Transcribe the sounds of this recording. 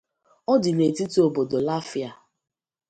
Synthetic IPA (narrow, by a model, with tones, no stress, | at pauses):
ɔ˦dɪ˨ne˨ti˦tu˦o˨bo˨do˨la˦fi˦a˨